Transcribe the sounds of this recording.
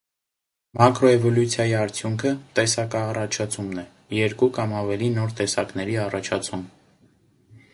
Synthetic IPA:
mɑkɾɔɛvɔljut͡sʰjɑjiɑɾt͡sʰjuŋkʰət̪ɛsɑkɑːrɑt͡ʃʰɑt͡sʰumnɛ | jɛɾkukɑmɑvɛlinɔɾt̪ɛsɑknɛɾiɑrɑt͡ʃʰɑt͡sʰum

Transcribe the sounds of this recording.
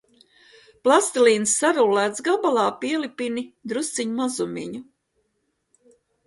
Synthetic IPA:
plˠast̪iliːnsːaɾulːæːt̪sɡabalˠɑːpiɛlipinid̪ɾussiɲumazumʲḭɲu

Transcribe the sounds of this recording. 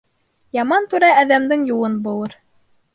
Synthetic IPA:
jɑmɑnt̪ʉɾæːðæmd̪ɘŋjuwɤnbulˠɤɾ

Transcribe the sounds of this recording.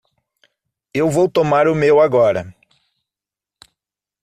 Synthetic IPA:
ewvowt̪omaɾʊmewaɡɔɾɐ̰

